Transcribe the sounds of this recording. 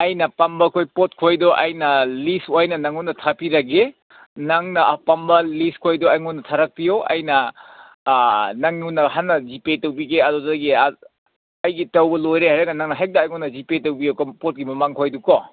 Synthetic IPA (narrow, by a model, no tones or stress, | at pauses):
ɐjnɐpambɐkʰojpot̚kʰojdɔʔɐjnɐlisoajnɐnɐŋunːɐtʰapiɾɐɡe | naŋnɐpambɐliskʰojdɔaŋunːɐtʰaɾɐk̚pijoʔɐ̰jnɐ | nɐŋunːɐhanːɐd͡ʒipetɐwbiɡeɐdɔdɐɡi | ɐjɡitɐwbɐlojɾeɦajɾɐɡɐnaŋnɐɦajk̚daːjŋunːɐd͡ʒipetɐwbijokɔpot̚ɡimɐmaŋkʰojdukɔ